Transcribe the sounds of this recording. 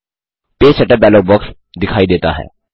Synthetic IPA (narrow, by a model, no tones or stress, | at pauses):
peːsɛʈəbɛːloːk̚bɔːks | d̪ɪkʰaːid̪eːt̪a̰ɦɛ̰ː